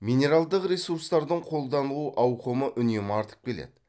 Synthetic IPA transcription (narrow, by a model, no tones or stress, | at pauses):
mʲijne̞ɾalˠd̪əqɾʲesuɾst̪ɑɾd̪əɴqʰo̞lˠd̪ɑnəlˠuʔɑwqəməʔʏnemɑɾt̪ə̥p̚kʲʰe̞lḛd̪ɪ